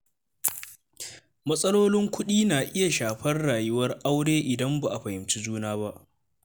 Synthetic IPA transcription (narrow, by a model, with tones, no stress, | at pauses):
mɐ˦sʼɐ˦loː˦lɪ˦ŋkʷʊ˦ɗiː˦naː˨ʔɪ˦ja˨ʃaː˨ɸɐ˦rɽaː˨jʊ˦wɐ˦rʔa˦wɽeː˦ʔɪ˨dɐ˦mba˨ʔa˨ɸɐ˨hɪ˨mt͡ʃi˦d͡ʒuː˦naː˦ba˦ʔ